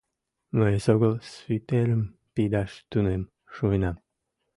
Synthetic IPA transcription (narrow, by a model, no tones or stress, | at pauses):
məesoɣəlsvit̪eɾəm | pid̪ɑʃt̪unem | ʃujnɑm